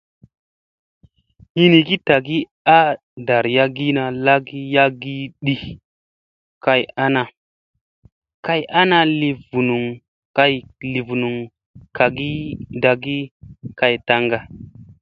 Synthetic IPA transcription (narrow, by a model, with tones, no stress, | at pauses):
hi˦ni˨ki˦ta˨ɡi˦ | a˦ | da˨ɾja˦ɡi˦na˨la˦ɡi˦ja˦ɡi˦ɗi˨ | ka˨ja˦na˨ | ka˦ja˦na˦li˨vu˨nu˨ŋ | ka˦jli˨vu˨nu˨ŋ | ka˨ɡi˦da˨ɡi˦ka˨jta˨ŋɡa˨